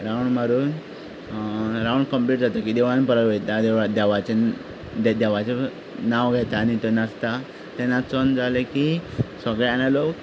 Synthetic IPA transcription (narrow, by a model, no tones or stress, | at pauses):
ɾawɳɖməɾuːn | ɾawɳɖkəmpliʈ̚d͡zat̪akiːd̪ɛʋanpəɾəɡet̪ad̪d̪ʋat͡ɕe | d̪d̪ɛʋat͡ɕe | naʋɡʱɛt̪aːnit̪onast̪a | t̪ɛnːat͡sɔnd͡zalekisəɡɭɛanalok